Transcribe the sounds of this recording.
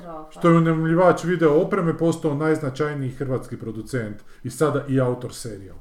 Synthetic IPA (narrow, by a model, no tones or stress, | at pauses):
ʃt̪o̞jeune̞umʎiʋaːt͡ʃʋid̪e̞oopɾe̞mepo̞st̪oonajznat͡ʃajniixr̩ʋaːt̪skipɾo̞d̪ut̪sent̪ | isad̪aʔiaut̪o̞ɾseɾia̰l